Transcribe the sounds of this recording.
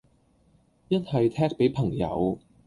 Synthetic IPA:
jɐ˥nhɐ˨jt̪ʰɛː˥k̚pe˨˥jpʰɐ˨˩ŋjɐ̰˨˧w

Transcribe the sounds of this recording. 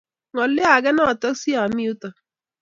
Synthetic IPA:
ŋɔ˨lɪ˦a˨ɡɛ˦nɔ˦˨tɔ˦ksi˦a˨mi˦u˦tɔ˨

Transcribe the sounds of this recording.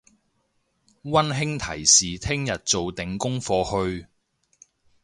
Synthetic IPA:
wɐ˥nɦɪ˥ŋt̪ʰɐ˨˩jsiː˨t̪ʰɪ˥ŋjɐ˨t̚t͡so˨wt̪ɪ˨˥ŋkʊ˥ŋfɔː˧hɵ˧ɥ

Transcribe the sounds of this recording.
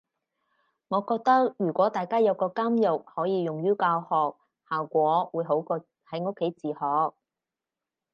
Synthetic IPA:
ŋɔː˨˧kɔː˧k̚t̪ɐ˥k̚jyː˨˩kʷɔː˨˥t̪aː˨jkaː˥jɐ˨˧wkɔː˧kaː˥mjʊ˨k̚hɔː˨˥jiː˨˧jʊ˨ŋjyː˥kaː˧whɔː˨k̚ | haː˨˩wkʷɔː˨˥wuː˨˧jɦo˨˥wkɔː˧ | hɐ˨˥jŋʊ˥kʰːe˨˥jt͡siː˨˩hɔː˨k̚

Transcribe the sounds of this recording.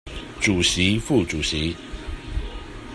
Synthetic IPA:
ʈ͡ʂu˨˩ɕi˨˦fu˥˨ʈ͡ʂu˨˩ɕi˨˦

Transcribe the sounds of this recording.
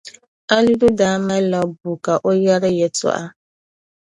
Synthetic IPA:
a˦nu˦du˦daː˦ma˦la˨bu˨ka˨ʔo˦ja˦ɾɪ˦jɛ˨tɔ̰˦ʔa˦

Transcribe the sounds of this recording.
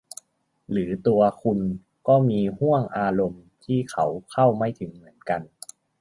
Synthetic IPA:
lɯː˩˦t̪u˧ɐkʰu˧n | kɔː˥˩miː˧hu˥˩əŋʔaː˧ɾo˧mt̪ʰiː˥˩kʰa˧˦˥wkʰa˥˩wma˥˩jt̪ʰɯ˩˦ŋmɯ˩˦ənka˧n

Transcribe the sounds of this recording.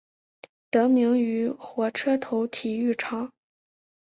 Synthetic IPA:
t̪ɤ˧˥mi˧˥ŋy˧˥xwɔ˧˥ʈ͡ʂʰɤ˥t̪ʰo˧˥ʊt̪ʰi˨˩y˥˩ʈ͡ʂʰɑ˧˥˦ŋ

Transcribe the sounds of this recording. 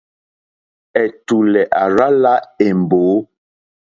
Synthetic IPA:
ɛ˨tu˨lɛ˨ʔa˨ɾa˦la˦e˨m˨boː˨˦

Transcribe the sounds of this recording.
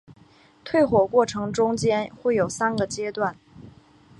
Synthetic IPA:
t̪ʰwe˥˩ɪxwɔ˨˩kwɔ˥˩ʈ͡ʂʰɤ˧˥ŋʈ͡ʂʊ˥ŋt͡ɕjɛ˥nxwe˥˩ɪjo˨˩ʊsa˥nɡə˨t͡ɕjɛ˥t̪wa˥˩n

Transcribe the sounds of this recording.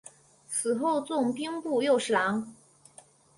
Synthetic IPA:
t͡sʰɹ̩˨˩xo˥˧ʊt͡sʊ˥˩ŋpi˥ŋpu˥˧jo˥˩ʊʂɑ˧˥ŋ

